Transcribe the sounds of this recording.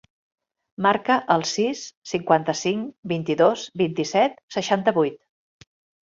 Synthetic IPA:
maɾkəʔəlˠsisːiŋkwant̪əsiŋbint̪iðozbint̪isɛt̪səʃant̪əβujt̪

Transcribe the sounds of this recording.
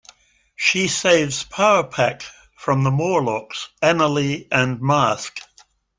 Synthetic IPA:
ʃiseɪvz̥pʰaʊəpʰæk | fɹə̃mðəmɔɹlɑksænəliʔə̃nmɑˑsk

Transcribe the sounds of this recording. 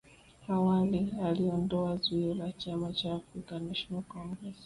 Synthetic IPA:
awalialiɔndɔazuiɔlat͡ʃamat͡ʃaːfɾikamɛʃmuakɔŋɡɾɛs

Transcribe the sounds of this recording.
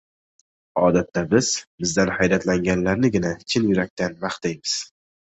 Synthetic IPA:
ɒd̪at̪ʰːabɪz̥bɪzd̪anhajɾat̪laŋɡʲanlaɾnɪɡʲɪnat͡ʃʰɪnjʊɾak̚ʲt̪anvaχt̪ajmɪz̥

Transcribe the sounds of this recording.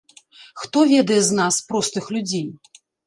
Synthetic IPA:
xt̪ɔvʲɛd̪ɐjɛznaspɾɔst̪ɨxlʲud͡zʲej

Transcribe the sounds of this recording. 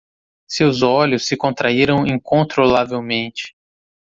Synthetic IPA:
sewzɔlʊsːɪkõnt̪ɾaiɾɐ̃w̃ĩŋkõnt̪ɾolavewmẽnt͡ʃɪ̥

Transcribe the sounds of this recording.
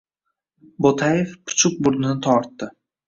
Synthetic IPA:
bot̪ʰajefpʰʊ̥t͡ʃʰʊk̚bʊɾd̪ɪnɪt̪ʰɒɾt̪ːɪ

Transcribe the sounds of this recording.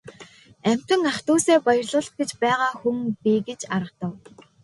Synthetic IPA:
æm̥ʲt̪ɘ̆ŋaχt̪uːseːpajə̆rɮʊːɮt̪̚ɡet͡ɕpæːʁaːxuŋpiɡet͡ɕaɾə̆qt̪ə̆w

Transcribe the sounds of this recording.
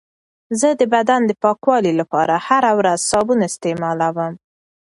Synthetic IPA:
zəd̪əbad̪and̪əpɑkwɑlilapɑɾahaɾawɾazsɑbunaɪst̪emɑlawəm

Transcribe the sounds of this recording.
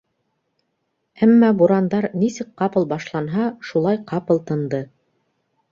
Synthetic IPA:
æmːɑbuɾɑnd̪ɑɾnisɘk̚qɑpɤ̆lˠbɑʃlˠɑnɦɑʃulˠɑjqɑpɤ̆lˠt̪ɤ̆nd̪ɤ

